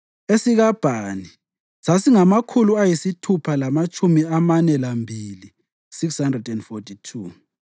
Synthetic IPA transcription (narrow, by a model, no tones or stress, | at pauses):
esiɣab̥ʱani | sasiŋamakʰuluajisitʰupʰalamat͡ʃʼumiamanɛlambʱili | sikshandrɛdɛndfotʰʼitʰuː